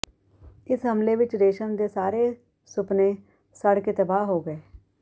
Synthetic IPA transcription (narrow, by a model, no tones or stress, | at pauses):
ɪsɦɐmleʋɪt͡ʃɾeːʃənd̪esaːɾe | sʊpnẽ | sɐɽ̤ket̪ɐbaːɦɦoɡɐeː